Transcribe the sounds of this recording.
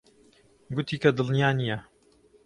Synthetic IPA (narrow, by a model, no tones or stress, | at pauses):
ɡʊt̪ʰiːkɐd̪ɨlnijaːnijɐ